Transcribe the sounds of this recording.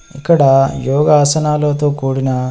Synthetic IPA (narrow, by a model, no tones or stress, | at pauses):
ḭkːɐɽɐjɔːɡɐːsɐnaːlo̞ːt̪o̞ːkuːɽinɐ